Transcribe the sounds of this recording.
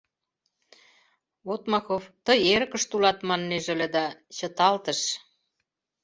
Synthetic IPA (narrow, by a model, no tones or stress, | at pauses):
βot̪mɑxoft̪əjeɾkə̆ʃt̪ulɑt̪mɑnːeʒə̆lĕd̪ɑt͡ɕə̆t̪ɑlt̪ə̆ʃ